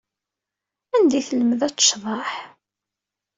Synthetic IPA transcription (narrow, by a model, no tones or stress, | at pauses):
ænd̪iθələməðæt͡sːʃðˤɑħ